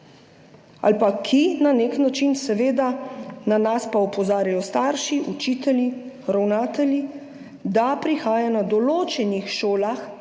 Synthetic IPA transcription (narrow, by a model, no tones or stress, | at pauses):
a̰lpakʰinaneknat͡ʃinsɛʋeːd̪ananaspaupɔzaːɾajɔst̪aɾʃiʔut͡ʃiːt̪ɛlji | ɾawnaːt̪ɛlji | d̪apɾixaːjanad̪ɔloːt͡ʃɛnixʃoːlax